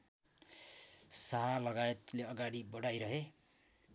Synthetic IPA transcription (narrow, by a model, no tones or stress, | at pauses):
saɦalʌɡajet̪leʌɡaɽibʌɽajɾʌɦe